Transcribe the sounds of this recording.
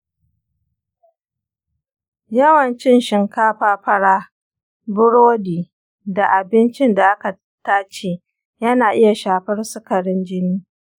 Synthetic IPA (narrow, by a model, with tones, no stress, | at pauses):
jɐ˦wɐ˨nt͡ʃɪ˦nʃɪ˨ŋkaː˦ɸaː˦ɸɐ˦ɽaː˦ | bʊ˦ɽoː˦diː˨ | da˨ʔa˨bɪ˦nt͡ʃɪ˦nda˨ʔa˦ka˨ | taː˦t͡ʃeː˨ | jɐ˦naː˨ʔɪ˦ja˨ʃaː˨ɸɐ˦rsʊ˦kɐ˨ɽɪ˦nd͡ʒɪ˦niː˦